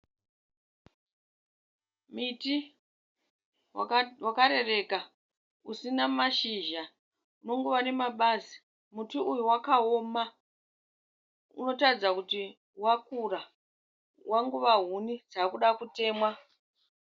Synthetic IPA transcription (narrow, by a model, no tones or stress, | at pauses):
miti | wakaɾe̞re̞ka | usinamaʃiʒa | uno̞ŋɡuʋane̞maɓazi̥ | mutuʔujuwakaoːma | ṵno̞tad͡zakuti | wakura | wʔaŋɡuʋaɦunid͡zaːkuɗakute̞ːmwa